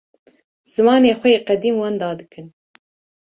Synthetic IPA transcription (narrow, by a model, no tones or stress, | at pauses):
z̥ɨmɑːneːxʷɛjeːqæd̪iːmwɑːnd̪ɑːd̪ɨkʰɨn